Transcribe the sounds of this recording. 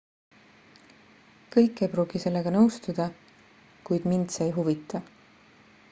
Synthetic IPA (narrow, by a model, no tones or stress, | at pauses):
kɤjkːˑe̞jpɾuːɡ̥ise̞lːe̞ɡ̥ɑnɤwst̪ud̪̥ɑ | kujd̪̥mind̪seːjɦuvit̪ːˑɑ